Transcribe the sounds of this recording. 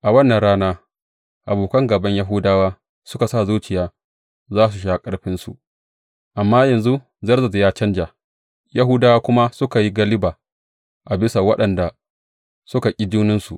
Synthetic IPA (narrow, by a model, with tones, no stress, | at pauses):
ʔa˨wɐ˦nːɐ˨nɽaː˦naː˦ | ʔa˨boː˨kɐ˦ŋɡɐ˨bɐ˦ɲja˦ɦʊ˦daː˦waː˦ | sʊ˦ka˨sa˦˨zuː˦t͡ʃɪ˨jaː˦ | zaː˦s̬u˨ʃ̬aː˨kʼɐ˦ɽɸɪ˦nsu˨ʔ | ʔa˨mːaː˦jɐ˨nzu˦ | zɐ˦rzɐ˨djaː˦t͡ʃɐ˦nd͡ʒa˨ | ja˦ɦʊ˦daː˦waː˦kʷʊ˦ma˦sʊ˦ka˨ji˦ɡɐ˦lɪ˦baː˨ | ʔa˨bɪ˦sa˨wɐ˦ɗɐ˨nda˨ | sʊ˦ka˨kʲʼi˦d͡ʒuː˦nɪ˦nsṵ˨ʔ